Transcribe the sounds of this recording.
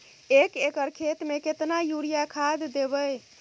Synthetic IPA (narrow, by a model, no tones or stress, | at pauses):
ekekəɾkʰet̪meket̪najuɾijakʰad̪ːebə